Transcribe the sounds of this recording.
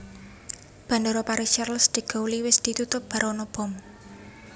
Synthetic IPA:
b̥a̤ndoɾɔpaɾiʃarlsd̪̥i̤ɡ̥o̤wliwɪsd̪̥i̤t̪ut̪ʊp̚b̥a̤ɾɔnɔb̥ɔ̤m

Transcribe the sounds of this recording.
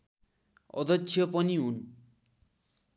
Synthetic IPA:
ʌ̰d̪ʌt͡ʃːt͡sːʰjʌpʌniɦun

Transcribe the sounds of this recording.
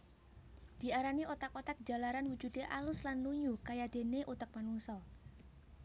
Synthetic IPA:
d̪̥i̤aɾaniʔɔt̪akɔt̪ak̚d̥d͡ʒ̥a̤laɾanwud̥d͡ʒ̥ṳd̪̥eʔalʊslanluɲukajad̪̥e̤neʔut̪ək̚manuŋsɔ

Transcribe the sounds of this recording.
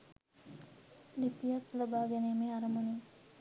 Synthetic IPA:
lipijak̪ləbaːɡɛnemeaɾəmuni

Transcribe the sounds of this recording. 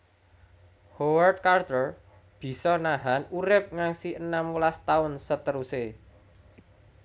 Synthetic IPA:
howərt̪̚kart̪ər | b̥i̤sɔnaɦanuɾɪp̚ŋaŋsiʔənaməlast̪aʊnsət̪əɾuse

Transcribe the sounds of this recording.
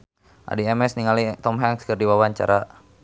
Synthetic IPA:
ʔa̰diɛmɛsniŋalit̪ɔmɦɛŋskərdiwawaɲt͡ʃa̰ɾa

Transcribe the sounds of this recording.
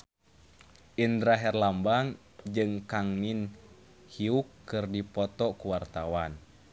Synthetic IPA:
ʔindɾaɦɛrlambaŋ | d͡ʒɨŋkaŋnin | hiukːɨrdipɔt̪ɔkuwart̪awan

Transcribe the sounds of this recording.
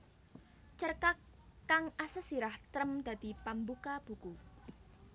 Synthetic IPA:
t͡ʃərkakː | aŋasəsiɾaht̪ɾəmd̪̥ä̤d̪̥i̤pambukab̥ṳku

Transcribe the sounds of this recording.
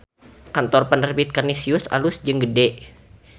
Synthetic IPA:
kant̪ɔrpənərbit̪̚kərnisiʊsa̰lʊsd͡ʒəŋɡədɛʔ

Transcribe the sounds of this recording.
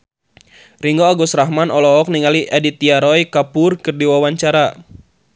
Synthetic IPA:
riŋɡɔaɡusɾaɦmanɔlɔɔk̚niŋaliʔɛdit̪iaɾɔjkapʊrkɨrdiwawaɲt͡ʃaɾa

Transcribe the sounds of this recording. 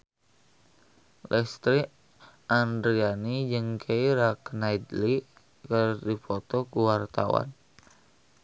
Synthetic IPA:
lʔɛst̪ɾi | ʔandɾianid͡ʒɨŋkʰeiɾaknaid̪li | kɨrdipɔt̪ɔkuwart̪a̰wa̰n

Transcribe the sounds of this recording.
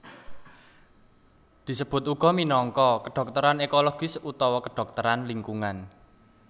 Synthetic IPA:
d̪̥i̤səb̥ʊ̤t̪uɡ̥ɔ̤minɔŋkɔkəɖ̥ɔ̤k̚t̪əɾanekoloɡ̥ɪsut̪ɔwɔkəɖ̥ɔ̤k̚t̪əɾanliŋkuŋan

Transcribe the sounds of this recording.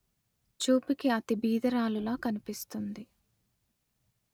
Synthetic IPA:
t͡ʃuːpikiɐt̪ibiːd̪ɐɾaːlulaːkɐnipist̪und̪i

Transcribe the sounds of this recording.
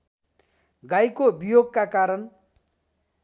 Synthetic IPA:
ɡajkobijoɡ̚kakaɾʌn

